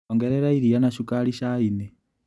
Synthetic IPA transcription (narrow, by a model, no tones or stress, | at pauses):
ŋɡeɾeɾaiɾijanaʃukaliʃaine